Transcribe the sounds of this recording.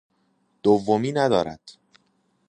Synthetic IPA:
d̪̥ovːomiːnæd̪ɒːɾæ̰d̪̥

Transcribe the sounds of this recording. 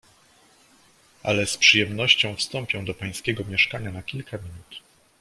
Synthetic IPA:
a̰lɛspʂɨjɛmnɔɕt͡ɕɔ̃w̃fst̪ɔmpʲjɔ̃w̃d̪ɔpaj̃skʲɛɡɔmʲjɛʂkaɲanakʲilkʰamʲinut̪

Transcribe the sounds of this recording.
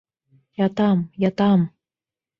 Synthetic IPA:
jɑt̪ɑmjat̪ɑm

